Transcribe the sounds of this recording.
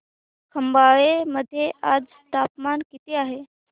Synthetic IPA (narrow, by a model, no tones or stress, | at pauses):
kʰəmbaːɭeməd̪ʱːjeʔaːd͡z | t̪aːpmankit̪eaːɦe